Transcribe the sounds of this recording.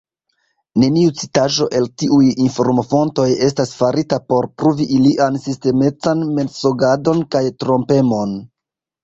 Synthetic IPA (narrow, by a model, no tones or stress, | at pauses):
ne̞niut͡sitaʒo̞ʔe̞ltiʔujinfo̞ɾmo̞fo̞nto̞je̞s̬tasfaɾitapo̞ɾpɾuviʔiliʔansiste̞me̞t͡sanme̞nso̞ɡado̞nkajtɾo̞mpe̞mo̞n